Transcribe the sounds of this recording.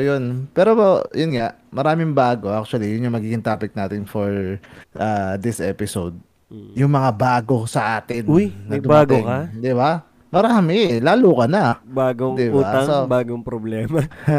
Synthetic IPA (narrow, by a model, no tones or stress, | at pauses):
jonpɛːɾo̞jʊnŋa | mɐɾaːmɪŋbaːɡo̞ʔak̚t͡ʃ̪ʊwɐlijʊnjʊŋmɐɡiːɡɪŋt̪aːpɪk̚naːt̪ɪnfoɹʔaːd̪ɪsʔɛ̰pɪsowd̪̚ | jʊŋmɐŋabaːɡo̞sɐʔaːt̪ɪnuj̪ːɐɡ̪ʊbaːɡ̪okɐd̪ɪba | mɐɾaːmɪlaːluːkɐnɐbaːɡoŋd̪ɪbuːaɐŋobaːɡoŋpɾoblɛːmɐ